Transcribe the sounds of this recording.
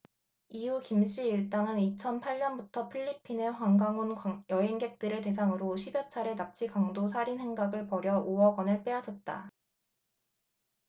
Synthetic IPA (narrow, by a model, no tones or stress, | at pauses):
iukimɕ͈ʰiiɭt͈aŋɯnit͡ɕʰʌnpʰaɭɲʌnbutʰʌpʰiʎːipʰine̞ɸwaŋɡaŋunjʌɦeŋɡe̞k̚t͈ɯɾete̞sʰaŋɯɾoɕʰibjʌt͡ɕʰaɾe̞nap̚t͡ɕ͈ʰikaŋdosʰaɾinhe̞ŋɡaɡɯɭpʌɾjʌʔoʌɡwʌnɯɭp͈e̞asʰʌt̚t͈a̰